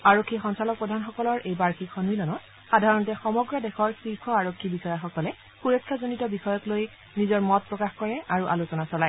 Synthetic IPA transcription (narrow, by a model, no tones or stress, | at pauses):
aɹokʰːixɔnsalɔk̚pɹɔdʱanxɔkɔlɔɹʔejbaɹkʰikxɔnmilɔnɔt̚ | xadʱaɹɔntɛxɔmɔɡɹɔdɛxɔɹsɹikʰɔaɹokʰːibixɔjaxɔkɔlɛ | xuɹɔkʰːazonitɔbixɔjɔkloj | nizɔɹmɔt̚pɹɔkaxkɔɹɛʔaɹuʔalosɔnasɔlaj